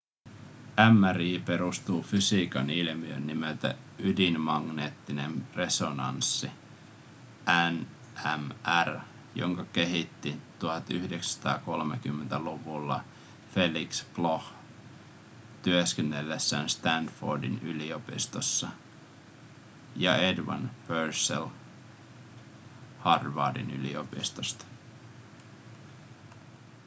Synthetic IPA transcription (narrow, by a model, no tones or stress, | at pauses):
æmːæriːpe̞ɾust̪uːfysiːkɑnilmiønːimelt̪æ̰ | ydinmɑɡneːt̪ːine̞nre̞so̞nɑ̰nsːi | æn | ʔæmær | jo̞̰ŋkɑke̞ɦit̪ːit̪uhɑt̪y̰hdeksæ̥st̪ɑ̰ːko̞lmek̟ymːent̪æluʋulːɑ̰ | fe̞likskloh | t̪yøskenːelːesːæːnst̪ændfo̰rdḭnylio̞pḭst̪osːɑ | jɑedʋɑ̰npersḛl | hɑrʋɑ̰ːdḭny̰lḭopist̪ost̪ɑ̥